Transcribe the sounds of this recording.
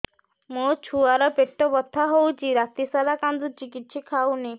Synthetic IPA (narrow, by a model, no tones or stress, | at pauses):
mot͡ʃʰuaɾɔpeʈːɔbɔt̪ʰːaɦowt͡ʃʰiɾat̪isalakand̪ut͡ʃikit̪ʃʰikʰawne